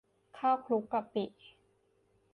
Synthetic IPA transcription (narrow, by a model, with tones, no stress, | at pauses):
kʰaː˥˩wkʰlu˦˥kːa˧˩pi˨˩ʔ